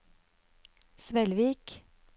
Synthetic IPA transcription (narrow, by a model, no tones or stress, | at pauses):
sʋɛlʋiːk